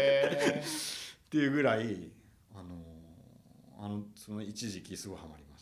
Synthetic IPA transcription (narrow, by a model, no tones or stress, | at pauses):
t̪e̞jɯ̟ːɡɯ̟ɾai | ano̞ | a̰no̞sono̞it͡ɕiʑikʲisɨɡo̞ihamaɾʲimas